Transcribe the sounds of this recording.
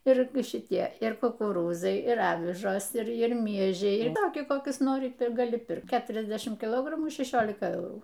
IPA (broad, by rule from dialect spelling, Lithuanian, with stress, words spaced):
ˈɪr ɪr ʃʲɪˈtʲiɛ ɪr kʊkʊˈruːzɐɪ ɪr ˈɑːʋʲɪʒoːs ɪr ˈɪr ˈmʲiɛʒʲɛɪ ɪr ˈtoːkʲiɛ ˈkoːkʲʊs ˈnoːrʲɪ ɪr ɡɐˈlʲɪ ˈpʲɪrkt ˈkʲæːtʲrʲɛzʲdʲɛʃʲɪmt kʲɪˈlˠoːɡrɐmuː ʃʲɛˈʃʲoːlʲɪkɐ ˈɛʊruː